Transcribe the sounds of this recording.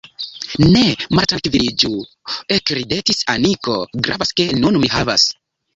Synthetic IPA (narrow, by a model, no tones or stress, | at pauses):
nemaɾtankvilid͡ʒu | ekɾidetisaniko̰ɡɾa̰vaskenunmihava̰s